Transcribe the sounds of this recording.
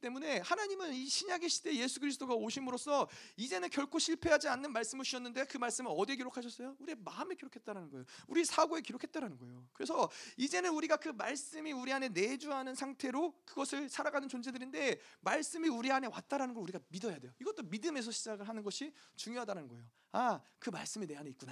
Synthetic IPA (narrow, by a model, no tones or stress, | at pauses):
t͈e̞mune̞hanaɲimɯniɕʰiɲaɡiɕʰi̥t͈e̞je̞sʰuɡɯɾis̬ʰt͈oɡaoɕʰimɯɾos͈ʰʌid͡ʑe̞nɯnkjʌɭkʰoɕʰiɭpʰe̞ɦad͡ʑianːɯnmaɭs͈ɯmɯɭt͡ɕʰuɕʰʌnːɯnde̞kɯmaɭs͈ɯmɯɭʌdeɡiɾokʰaɕ̬ʰʌs͈ʌjouɾiemaɯme̞kiɾokʰe̞t̚t͈aɾanɯnɡʌejouɾisʰaɡoe̞kiɾokʰe̞t̚t͈aɾanɯnɡʌejokɯɾe̞sʰʌid͡ʑe̞nɯnuɾiɡakɯmaɭs͈ɯmiuɾiane̞ne̞d͡ʑuɦanɯnsʰaŋtʰe̞ɾokɯɡʌsʰɯɭsʰaɾaɡanɯnt͡ɕond͡ʑe̞dɯɾinde̞maɭs͈ɯmiuɾiane̞wa̰t̚t͈aɾanɯnɡʌɭuɾiɡamidʌjadwe̞joiɡʌt͈omidɯme̞s̬ʰʌɕʰid͡ʑaɡɯɭɦanɯnɡʌɕʰit͡ɕuŋjoɦadaɾanɯnɡʌejo | akɯma̰ɭs͈ɯmine̞ɦaneit̚k͈una